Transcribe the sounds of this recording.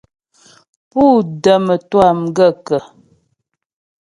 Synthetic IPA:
pu˦˨də˨mə˨twa˦˨mɡə˦˨kə˨

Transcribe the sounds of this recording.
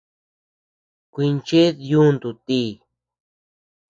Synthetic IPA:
kʷi˧nt͡ʃe˦ðju˦nd̪u˨t̪i˧˦

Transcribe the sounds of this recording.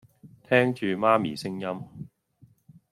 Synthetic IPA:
t̪ʰɛː˥ŋt͡ʃyː˨maː˥mḭː˨˩sɪ˥ŋjɐ˥m

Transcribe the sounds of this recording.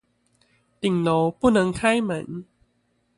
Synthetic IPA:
t̪i˨˩ŋlo˨˧˦puː˥˩nɯ˧ŋkʰa˥˩jmɯ˨˩˦n

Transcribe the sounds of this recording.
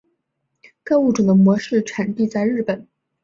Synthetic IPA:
ka˥˧u˥˩ʈ͡ʂu˨˩d̪ə˦mwɔ˧˥ʂɻ̩˥˩ʈ͡ʂʰa˨˩nt̪i˥˧t͡sa˥˧ɪɻɻ̩˥˩pə˨˩˦n

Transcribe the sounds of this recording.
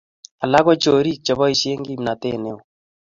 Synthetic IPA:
a˨la˦ɡɔ˦t͡ʃo˨ɾi˦˨t͡ʃɔ˨βɔ˦i˨ʃe˦ŋɡi˦˨mna˨te˦ne˦o˨

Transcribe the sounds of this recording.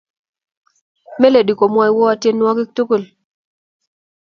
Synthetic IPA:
me˦le˨di˨ko˨mwa˦jwɔ˦a˨˦tje˦n˦wɔ˦kɪ˦k̚tu˦ku˦˨l

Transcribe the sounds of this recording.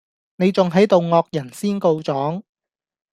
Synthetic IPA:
ne˨˧jt͡sʊ˨ŋɦɐ˨˥jt̪o˨wŋɔː˧k̚jɐ˨˩nsiː˥nko˧wt͡sɔː˨˥ŋ

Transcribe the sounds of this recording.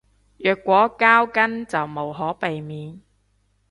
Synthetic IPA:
jœː˨˩kːʷɔː˨˥kaː˥wkɐ˥nt͡sɐ˨wmo˨˩wɦɔː˨˥pe˨jmiː˨n

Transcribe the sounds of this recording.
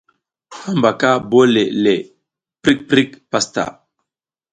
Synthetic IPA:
ha˦mba˨ka˦bo˦le˨le˨ | pɾi˦k̚pɾi˦kpa˦st̪a̰˨

